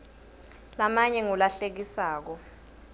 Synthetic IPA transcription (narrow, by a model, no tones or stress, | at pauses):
lamaɲɛŋɔlaɬek̬isaːk̬ɔ